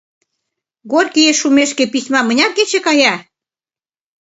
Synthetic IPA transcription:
ɡorʲkieʃːumeʃkepisʲmɑmə̆nʲɑk̚ɡet͡ɕĕkɑjɑ

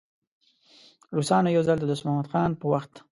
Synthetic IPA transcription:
ɾusɑnojawzald̪əd̪ʊsmahmad̪xɑnpəwaxt̪

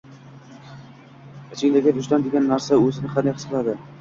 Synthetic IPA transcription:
ɪt͡ʃʰɪŋʲd̪aɡʲad̪ʰʊʃt̪and̪eɡʲanːaɾsaɵzɪnɪχʰad̪aχɨsqɨlˠad̪ɪ

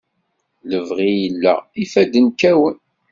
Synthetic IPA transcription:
ləvʁijəlːæ̰ifæd̪ənkːæwən

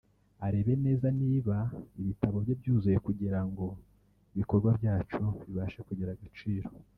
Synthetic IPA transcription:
aɾe̞βe̞ne̞ːzaniːβaiβitaβo̞bjobjuːzuje̞kuɟiɾaŋɡo̞ | iβiko̞ɾɡwabjaːt͡ʃoβiβaʃekuɟeɾaɡat͡ʃiːɾo̞

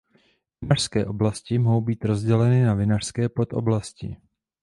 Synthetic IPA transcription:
vɪnar̥skɛːʔo̞blascɪmɦo̞wbiːt̪ɾo̞zɟɛlɛnɪnavɪnar̥skɛːpo̞t̪ʔo̰blascɪ̰

